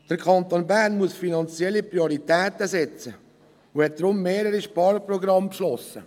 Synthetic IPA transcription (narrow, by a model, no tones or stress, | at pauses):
d̥əɾkʰɑnt̪oːnbæɾnmuəsfinɑnt͡sjɛlːipɾioɾit̪ɛːt̪əsɛt͡sə | uhɛt̚d̥̪ɾʊmːeːɾəɾiʃpɑːɾpɾɔɡɾɑmpʃlɔsə